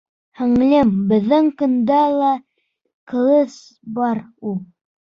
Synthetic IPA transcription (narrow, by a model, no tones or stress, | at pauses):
hɘ̆ŋ̆lɘmbɘ̆ðːɘŋkɵ̆nd̪ælˠɑ | qɤ̆lˠɤs | bɑɾulˠ